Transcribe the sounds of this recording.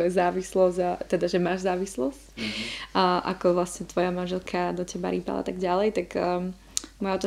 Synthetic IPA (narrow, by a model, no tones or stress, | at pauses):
ɔɛzaːʋislɔzɟat̪ɛd̪aʒɛmaːʒzaːʋislɔscː | ʔa̰kɔʋlasɲɛt̪ʋɔjamanʒɛlkʰad̪ɔcɛba̰ɾiːpa̰la̰t̪aɡɟalɛjt̪aɡ | mɔjaɔt̪ɔ